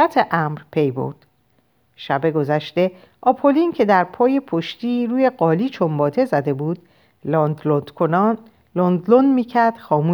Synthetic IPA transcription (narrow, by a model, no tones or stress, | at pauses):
æt̪ʰeʔæmɾpʰe̞jbo̰ɾd̪̥ | ʃæbe̞ɡo̞zæʃt̪e̞ | ʔɒpʰolincʰe̞d̪æɾpʰɒːje̞pʰoʃt̪iɾuːje̞ɢɒːliːt͡ʃʰombɒːt̪ʰe̞zæd̪e̞buːd̪ | kʰon | lond̪lonmiːcʰæɾd̪̥xɒːmuː